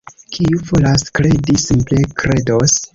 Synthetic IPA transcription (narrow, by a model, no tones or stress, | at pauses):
kʰiuvolaskɾe̞disimple̞kɾe̞dos